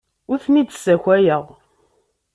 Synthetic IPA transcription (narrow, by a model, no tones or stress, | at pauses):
ʊθnid̪sæçʷæjəʁ